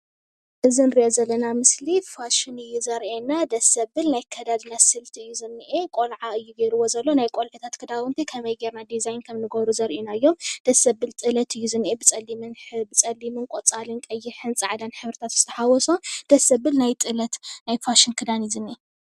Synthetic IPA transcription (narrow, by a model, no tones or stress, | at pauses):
ʔɨzinɨɾiʔozɐlːɐnamɨslifaʃɪnɨjːuzɐɾʔenad̪ɐsɐbɨlnajkʰɐd̪ad̪nasɨlt̪ʰiɨjːuzɨnːɨʔekʼolʕaɨjːuɡeɾɨwo̞zɐlːonajkʼolʕɨt̪ʰat̪kʰɨd̪aunt̪ʰikʰɐmɐjɡeɾnad̪izajnkʰɐmnɨɡɐβɾuzɐɾʔenaɨjːo̞md̪̥ɐsːɐbɨlt̪ʼɨlɐt̪ʰɨjːuzɨnːʔebɨt͡sʼɐlːimɨnbɨt͡sʼɐlːimɨnkʼot͡sʼalɨnkʼɐjːɪħɨnt͡sʼɨʕd̪anħɨβɾɨt̪ʰat̪z̥ɨ̥t̪ʰɐħawɔsomd̪̥ɐsɐbɨlnajt̪ʼɨlɐt̪najfaʃɪnkʰɨd̪anizɨnʔe